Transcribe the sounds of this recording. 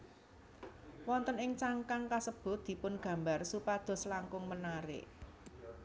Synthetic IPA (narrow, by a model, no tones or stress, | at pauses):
wɔnt̪ənɪŋt͡ʃaŋkaŋkasəb̥ʊ̤t̪̚d̪̥i̤pʊnɡ̥ä̤mbarsupad̪̥ɔ̤slaŋkʊŋmənaɾɪ̰ʔ